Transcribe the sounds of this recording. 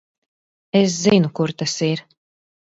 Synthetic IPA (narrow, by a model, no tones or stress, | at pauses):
es̬zinukuɾt̪asiɾ